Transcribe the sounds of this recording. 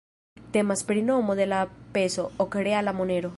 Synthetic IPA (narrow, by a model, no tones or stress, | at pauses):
t̪emaspɾinomoðelapesookeɾealamoneɾo